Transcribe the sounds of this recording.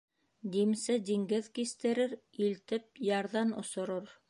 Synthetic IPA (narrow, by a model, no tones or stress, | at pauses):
d̪imsɘd̪iŋɡɘðkist̪ɘ̆ɾɘɾilt̪ɘp̚jɑɾðɑnŏ̰sŏɾoɾ